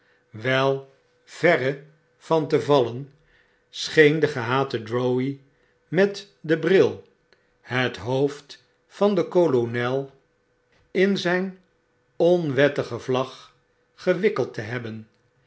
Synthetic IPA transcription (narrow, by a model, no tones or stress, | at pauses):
ʋɛlˠ | v̥ɛrə | v̥ɑntəvɑlən | sχejndəχəɦaːtədɹowi | mɛt | dəbrɪlˠ | ɦətɦowft | fɑndəkolonɛlˠ | ɪnzɛjn | ɔnʋɛtəχəvlɑχ | χəʋɪkəlˠtəɦɛbən